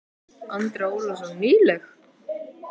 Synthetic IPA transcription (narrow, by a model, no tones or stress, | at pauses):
ant̪ɾaulɔs̬aniːlɛx